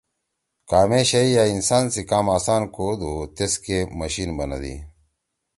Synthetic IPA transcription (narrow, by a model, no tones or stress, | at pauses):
kaːmeːɕɐijaːinsaːnsikaːmaːsaːnkoːd̪ut̪eskemɐɕinbɐnɐ̰d̪ḭ